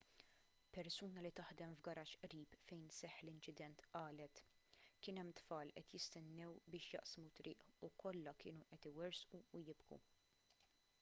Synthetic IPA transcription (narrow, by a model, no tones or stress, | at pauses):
pɛɾsuːnɐlit̪ɐħd̪ɛmvɡɐɾɐːʃʔɾiːpfɛjnsɛħːlɪnt͡ʃɪd̪ɛnt̪ʔɐːlɛt̪kɪːnɛmːt̪fɐːlʔɛt̪jɪst̪ɛnːɛwbɪːʃjɐ̰ʔsmut̪ɾɪːʔukʰɔlːɐkɪːnuʔɛt̪ɪwɛɾsʔuːjɪbɡṵ